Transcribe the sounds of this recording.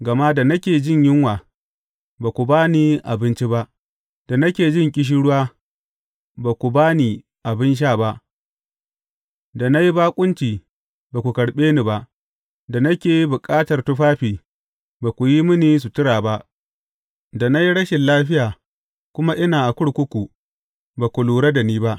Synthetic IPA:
ɡɐ˨ma˦da˨nɐ˦kʲeː˨d͡ʒɪ˦ɲjɪ˦ŋwaː˨ | baː˨kʷu˨baː˦niː˦ʔa˨bɪ˦nt͡ʃi˦ba˦ʔ | d̥a˨nɐ˦kʲeː˨d͡ʒɪ˦ŋkʲʼɪ˦ʃ̬i˦ɽʊ˦waː˦ | baː˨kʷu˨baː˦niː˨ | ʔa˨bɪ˦nʃ̬aː˦˨ba˦ʔ | da˨na˦ji˦baː˦kʷʼʊ˦nt͡ʃiː˨ | baː˨ku˨kɐ˨ɽɓeː˦niː˨ba˦ʔ | da˨nɐ˦kʲeː˨ji˦bʊ˨kʼaː˦tɐ˨rtʊ˦ɸaː˦ɸiː˨ | baː˨kʷu˨ji˦mʊ˦niː˨s̬u˨tɪ˦ɽaː˨ba˦ʔ | da˨na˦ji˦ɽɐ˦ʃɪ˨nlaː˦ɸɪ˦jaː˨ | kʷʊ˦ma˦ʔɪ˦naː˨ʔa˨kʷʊ˦ɽkʷʊ˦kʷu˨ | baː˨kʷu˨luː˨ɽa˦da˨niː˦ba˦ʔ

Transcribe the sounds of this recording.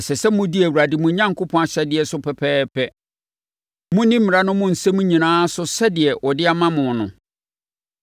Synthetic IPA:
ɛ˨sɛ˨sɛ˦mʊ̃˦di˦æ˨wu˨ɾa˨dɪ˨mʊ̃˨˦ɲã˦ŋkʰʊ˦pʰɔ̃˦a˨ɕɛ˦dɪ˨ɛ˨sʊ˦pʰɛ˨pʰɛː˦pʰɛ˦ | mʊ̃˦nĩ˦m̩ɪ̃˨a˨nʊ̃˦mʊ̃˦n̩˨sɛ˦mʊ̃˦ɲĩ˨nãː˦sʊ˦sɛ˦dɪ˨ɛ˨ʔɔ˨dɪ˦a˦mã˦mʊ̃˨nʊ̰̃˨

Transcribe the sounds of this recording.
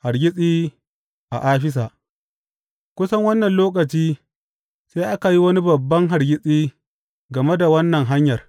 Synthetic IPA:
ha˨ɾɡʲɪ˦sʼiː˦ | ʔa̰˨ʔaː˦ɸɪ˦s̬aː˨ʔ | kʷʊ˦sɐ˦ŋwɐ˦nːɐ˨nloː˦k̬ɐ˨t͡ʃiː˦ | seː˦ʔa˦ka˨ji˦wɐ˦ni˦bɐ˨bːɐ˦ŋɦa˨ɾɡʲɪ˦sʼiː˦ | ɡɐ˨me˦da˨wɐ˦nːɐ˨ŋɦa˦ɲjɐ˨r

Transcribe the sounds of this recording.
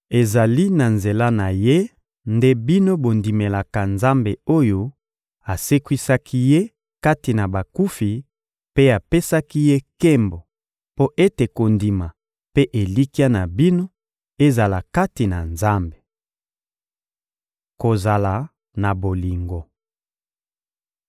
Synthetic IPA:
e˨za˨li˦na˨nze˨la˦na˨je˦ | nde˦bi˦no˦bo˨ndi˨me˨la˨ka˨nza˦mbe˨o˦jo˦ | a˨se˦kwi˦sa˦kʰi˦je˦ | ka˦ti˨na˨ba˨ku˦fi˨ | pe˦a˨pe˦sa˦ki˦je˦ke˦mbo˨ | po˦ʔe˦te˨ko˨ndi˨ma˨ | pe˦ʔe˨li˦ki˦a˦na˨bi˦no˦ | e˦za˨la˨ka˦ti˨na˨nza˦mbe˨ | ko˨za˨la˨ | na˨bo˨li˨ŋɡo˨

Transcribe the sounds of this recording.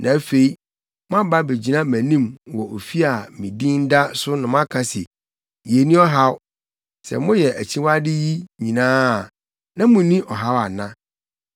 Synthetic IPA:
nʔã˨˦fe˨i˦ | m˦ã˦ba˦be˨d͡ʑi˨nã˦mæ̃˨nĩ˦mwɔ˨ʔo˨fi˦a˨mĩ˨dĩ˦n̩˦da˦sʊ˦nʊ̃˨mã˦kʰa˨˦sɛ̰˨ | je˨nĩ˦ɔ˦ɦa˦w | sɛ̰˨mʊ̃˦jɛ˨ʔæ˨t͡ɕʰĩ˦wa˦dɪ˦ji˦ɲĩ˨nãː˦˨ | nã˦mʊ̃˨nĩ˦ʔɔ˨ɦa˦wa˨nã˦

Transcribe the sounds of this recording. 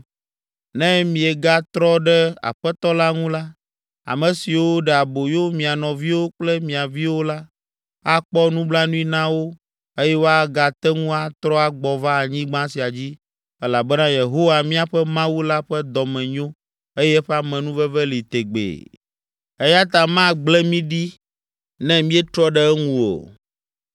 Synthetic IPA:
nɛ̃˦mĩ˨ɛ˨ɡa˦t̪ɾɔ˦ɖɛ˦a̰˨ɸɛ˦t̪ɔ˦la˦ŋũ˦la˦ | a̰˨mɛ̃˨si˨wo˦ɖɛ˨a˨bo˨jo˦mĩ˨a˨nɔ̃˨vi˦wo˦k͡plɛ˦mĩ˨a˨vi˦wo˦la˦ | a˦k͡pɔ˦nũ˦bla˦nũ˦i˦nã˦wo˦ | e˦jɛ˦wo˦a˦ɡa˨t̪ɛ˦ŋũ˦a˦t̪ɾɔ˦a˨ɡ͡bɔ˨va˦a˨ɲĩ˦ɡ͡bã˦si˨a˨d͡ʑi˦ | ɛ˦la˨bɛ˦nã˦je˨ɦo˦wa˨mĩ˦a˨ɸɛ˦mã˦wu˦la˦ɸɛ˦d̪ɔ˨mɛ̃˨ɲõ˦ | e˦jɛ˦ɸɛ˦a˦˨mɛ̃˨nũ˦vɛ˦vɛ˦li˨t̪e˨ɡ͡bḛ˨ | e˦ja˦t̪a˨mã˦ɡ͡blɛ˦mĩ˦ɖi˦ | nɛ̃˦mĩ˦ɛ˦t̪ɾɔ˦ɖɛ˦ŋũ˦o̰˨

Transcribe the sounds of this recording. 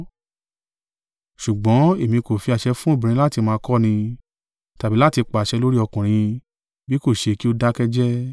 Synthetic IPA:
ʃu˨ɡ͡bɔ̃˨˦e˨mĩ˧ko˨fi˧a˧ʃɛ˧fũ˦o˦˨bĩ˨ɾ̃ĩ˧la˦ti˧mãː˧kɔ˦nĩ˧ | ta˨bi˨˦la˦˨ti˧k͡pa˨ʃɛ˧lo˦ɾi˦ɔ˧kũ˨ɾ̃ĩ˧ | bi˦ko˦˨ʃe˧ki˦o˦da˦kɛ˦d͡ʒɛ˦

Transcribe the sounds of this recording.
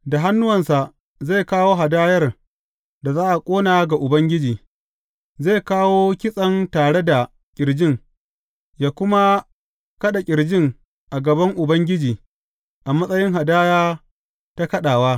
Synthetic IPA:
da˨ɦa˦nːʊ˦wɐ˨nsa˨ʔ | ze˦˨kaː˦woː˦ɦa˨daː˦jɐ˦r | da˨zaː˦ʔa˨kʷʼoː˦naː˨˦ɡa˨ʔʊ˨bɐ˦ŋɡʲɪ˦d͡ʒiː˨ | ze˦˨jkaː˦woː˦kʲɪ˦sʼɐ˦ntaː˨ɽe˦da˨ | kʲʼɪ˨ɾd͡ʒɪ˦ŋ | jaː˨˦kʷʊ˦ma˦ | kɐ˦ɗa˨kʲʼɪ˨ɾd͡ʒɪ˦ŋ | ʔa˨ɡɐ˨bɐ˦ŋʔʊ˨bɐ˦ŋɡʲɪ˦d͡ʒiː˨ | ʔa˨mɐ˦sʼɐ˦jɪ˦ŋɦa˨daː˦jaː˦ | ta˦kɐ˦ɗaː˨waː˦

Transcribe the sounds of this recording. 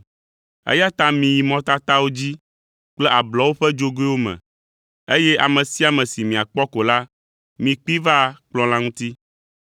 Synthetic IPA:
ḛ˦ja˦t̪ã˦mĩ˨ji˨mɔ̃˦t̪a˦t̪a˦wo˦d͡ʑi˦ | k͡plɛ˦ʔa˨blɔ˨˦wo˦ɸɛ˦d͡ʒo˦ɡo˦i˦wo˦mɛ̰̃˨ | e˦jɛ˦ʔa˨mɛ̃˨si˦a˨mɛ̃˨si˨mĩ˨a˨k͡pɔ˦ko˨la˦ | mĩ˨k͡pi˦va˦k͡plɔ̃˦lã˦ŋũ˦t̪i˦

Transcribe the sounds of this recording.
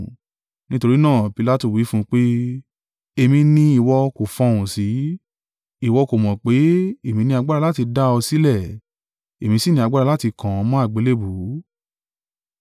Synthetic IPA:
nĩ˦to˧ɾi˦nãː˦˨pi˧la˦˨tu˦˨wi˨˦fũ˦k͡pe˦ | e˧mĩ˧nĩ˧i˨wɔ˧ko˨fɔ̃˧wũ˨si˨˦ | i˦˨wɔ˧ko˨mɔ̃˨k͡pe˨˦e˨mĩ˧nĩ˧a˧ɡ͡ba˦ɾa˧la˦ti˧da˦ɔ˧si˨˦lɛ˦˨ | e˨mĩ˧si˦˨nĩ˧a˧ɡ͡ba˦ɾa˧la˦ti˧kã˨˧mɔ̃˦a˦˨ɡ͡be˨˦le˦bu˨˦

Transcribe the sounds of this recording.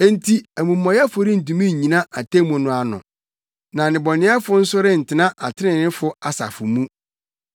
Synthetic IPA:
e˦n̩˦tʰi˦æ˨mũ˨mːɔ̃˨jɛ˦fʊ˨˦ɾɪ˦n̩˨t̬ũ˨mĩ˦ɲ˨ɲĩ˨nã˦ʔa˨tʰe˦mʊ̃˨nʊ̃˨˦a˨nʊ̰̃˨ | nã˨nɪ̃˨bɔ˨nɪ̃˦a˦fʊ˦n̩˦sʊ˦ɾɪ˦n̩˨tʰɪ˨nã˦ʔa˨tʰɪ˦nɪ̃˨nɪ̃˦fʊ˦a˨sa̰˨fʊ˨mũ˦

